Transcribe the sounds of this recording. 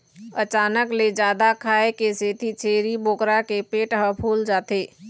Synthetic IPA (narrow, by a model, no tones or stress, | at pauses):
ət͡ʃaːnəkled͡ʒjaːd̪akʰaːekeseːt̪ʰit͡ʃeːɾiboːkɾakepeːʈɦə̃pʰuːld͡ʒaːt̪eː